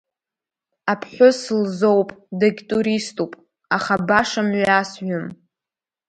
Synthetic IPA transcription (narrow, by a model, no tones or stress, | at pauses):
apʰħʷʊslzowpʼdaɡʲtʼuɾistʼupʼ | aχabaʂamɥasɥʊm